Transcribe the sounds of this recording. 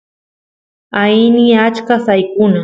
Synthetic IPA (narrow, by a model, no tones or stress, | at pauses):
ajnɪat͡ʃkasajkʊna